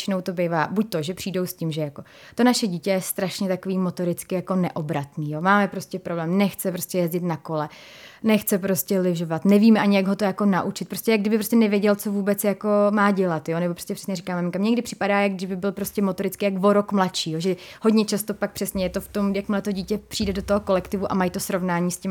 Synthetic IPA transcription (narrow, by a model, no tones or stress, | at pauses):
t͡ʃɪnowt̪o̞bejvaːbuc̚t̪o̞ʒɛpr̥iːdo̞wscɪmʒɛjako̞ | t̪o̞naʃɛɟiːcɛjɛst̪ɾaʃɲɛt̪akoviːmot̪o̞ɾɪt͡skɪjako̞nɛʔo̞bɾat̪niːjomaːmɛpɾo̞scɛpɾoblɛːmnɛxt͡sɛpɾo̞scɛjɛzɟɪt̪nako̞lɛ | nɛxt͡sɛpɾo̞scɛlɪvʒovat̪nɛviːmɛʔaɲɪjaɡɦot̪ojako̞naʔut͡ʃɪt̪̚pɾoscʲɛjaɡdɪbɪpɾoscʲɛnɛvɪjɛɟɛlt͡so̞vuːbɛt͡sjako̞maːɟɛlat̪jonɛbopɾoscɛprɛ̥sɲɛɾikaːmamɪŋkamɲɛɡdɪpr̝̥ɪ̥padaːjaɡ̚dɪʒbɪbɪlpɾo̞scɛmot̪oɾɪt͡skɪjakvo̞ɾokmlatt͡ʃiːjoʒɛho̞dɲɛt͡ʃast̪o̞pak̚pr̝̥ɛsɲɛjɛt̪oft̪o̞mjakmɪlɛt̪o̞ɟiːcɛpr̝̥iːdɛdot̪oɦoko̞lɛkt̪ɪvuʔa̰majt̪osɾo̞vnaːɲiːscɪm